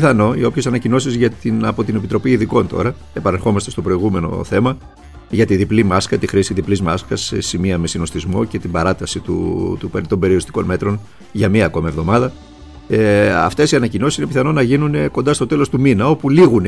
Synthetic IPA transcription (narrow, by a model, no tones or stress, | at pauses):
θɐno̞io̞pçe̞sɐnɐcino̞sizʝɐt̪inɐpo̞t̪ine̞pit̪ɾo̞piːðiko̞nt̪o̞̰ɾɐ | e̞pɐnexo̞mɐst̪e̞st̪o̞pɾo̞iɣume̞no̞̰θe̞mɐ | ʝɐt̪iðiplimɐskɐt̪ixɾisiðiplizmɐskɐsesimiɐme̞sino̞st̪izmo̞̰ce̞t̪ibɐɾɐt̪ɐsit̪ṵt̪upeɾit̪o̞mbe̞ɾioɾist̪i̥ko̞nme̞t̪ɾo̞n | ʝɐmiɐːko̞mɐevðo̞mɐðɐ | ɐ̰ft̪e̞siɐnɐcino̞sisinepiθɐno̞nɐʝinuneko̞nd̪ɐst̪ot̪e̞lo̞st̪uminɐo̞puliɣun